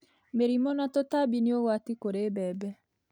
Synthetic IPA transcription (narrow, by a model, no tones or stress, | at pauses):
meɾimɔnat̪ɔt̪abinioɣwat̪ikoɾebɛːbɛ